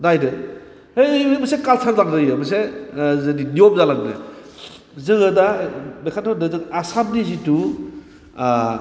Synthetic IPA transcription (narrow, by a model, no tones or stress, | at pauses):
dajdɯ | hejɯmɐsekalsʰaɾzaŋdɯjɯmɐsezadiniop̚zalaŋdɯ̰ | zɯŋɯdabekʰatʰadazɯŋasamdizitu